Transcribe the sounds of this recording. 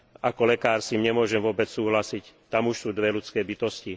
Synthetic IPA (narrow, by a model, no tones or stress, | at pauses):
akɔlɛkaːɾsimɲɛmʊɔʒɛmʋʊɔbɛt͡ssuːɦlasict̪amuʃsuːd̪ʋɛlut͡skɛːbit̪ɔsci